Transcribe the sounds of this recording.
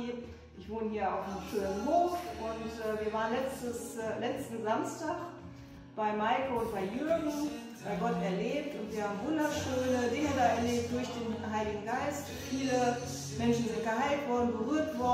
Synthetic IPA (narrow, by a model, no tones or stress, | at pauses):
ʔɪçv̥oːnəhiːɐa̰ʊfmʰyɐnɦoːfʔʊntʔɛːviːɐvaːʁənlɛt͡stəslɛt͡stn̩zamstaːχ | b̥aɪmaɪkoʊntb̥aɪjøɐɡŋ̩ | b̥aɪɡɔtɛɐleːp̚tʊntv̥iːɐhaːbm̩vʊndɐʃøːnədɪŋədaːɛɐleːp̚t̚d̥ʊɐçd̥eːnɦaɪlɪɡŋ̩ɡaɪst | fiːlə | mɛnʃn̩zɪnt̚ɡ̥əhaɪltv̥ɔɐdn̩bəʁyːɐtv̥ɔ